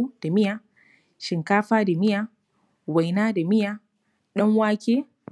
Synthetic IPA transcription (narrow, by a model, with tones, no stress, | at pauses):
d̥a˨mɪ˦ja˨ | ʃɪ˨ŋkaː˦ɸaː˦da˨mɪ˦ja˦ | wa˨jnaː˦da˨mɪ˦jaː˦ | ɗɐ˦ŋwaː˦kʲeː˦